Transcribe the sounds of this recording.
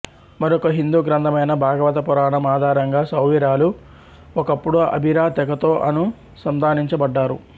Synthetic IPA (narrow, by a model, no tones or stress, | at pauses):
mɐɾokɐɦind̪uːɡɾɐnd̪ʰʱɐmɐjnɐbʱaːɡɐʋɐt̪ɐpuɾaːɳɐmaːd̪ʱaːɾɐŋɡaːsɐwʋiɾaːlu | ɔkɐpːuɽuʔɐ̰bʱiɾaːt̪ɛɡɐt̪o̞ːʔɐnu | sɐmd̪aːniɲt͡ʃɐbɐɖːaːɾṵ